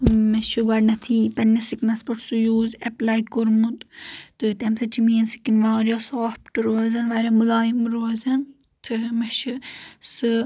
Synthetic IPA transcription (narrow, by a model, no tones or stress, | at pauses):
mɛʃuɡɐɖnɐt̪ʰiːpɐnːɐsiknɐspɐʈʰsujuːzɛplajkuɾmut̪t̪ɨt̪ɛmsɐt͡ʃʰimiːnsi̥kinʋãːɾjɔsoːpʈɨɾoːzɐnʋaɾʲɐmɨlaːjimɾoːzɐn | t̪ʰɨmɛʃɨsɨ